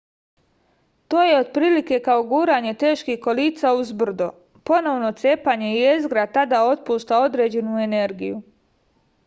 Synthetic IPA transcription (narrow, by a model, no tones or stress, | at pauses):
t̪o̞ːje̞od̪pɾiːlike̞kao̞ɡuːɾaɲe̞t̪e̞ːʃkihko̞liːt̪sauzbr̩d̪o̰ | po̞no̞ʋno̞t̪se̞paɲe̞iezɡɾat̪ad̪ao̞t̪̚puːʃt̪ao̞d̪ɾe̞ːd͡ʑe̞nuene̞ɾɡḭju